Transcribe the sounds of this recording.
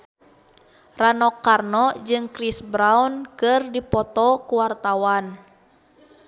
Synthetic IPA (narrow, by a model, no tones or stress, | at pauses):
ranɔkːarnɔd͡ʒɨŋkɾisbɾaunkɨrdipɔt̪ɔkuwart̪awan